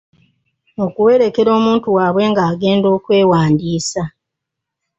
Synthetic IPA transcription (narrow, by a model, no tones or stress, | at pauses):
o̞kuwe̞ɾe̞ke̞ɾo̞ːmuːntuwaːβwe̞ːŋɡaːɡe̞ːndo̞ːkwe̞ːwaːndiːsa